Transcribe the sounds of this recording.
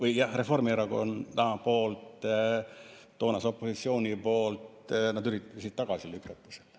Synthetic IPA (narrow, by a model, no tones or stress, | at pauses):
vɯjjɑhre̞fo̞rmieɾɑɡoont̪æmɑpo̞ːlt̪ | t̪o̞ːnɑso̞pːˑosit̪sio̞ːnʲipo̞ːlt̪ | nɑd̪yɾit̪ːesit̪ːɑɡ̥ɑsilykːˑɑt̪ːu̥sel